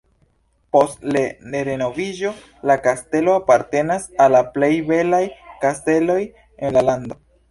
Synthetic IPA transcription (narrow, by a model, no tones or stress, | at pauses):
po̞stleneɾeno̞viʒo̞ | lakaste̞lo̞apaɾte̞nasalaple̞jbe̞lajkaste̞lo̞j | enlalando̞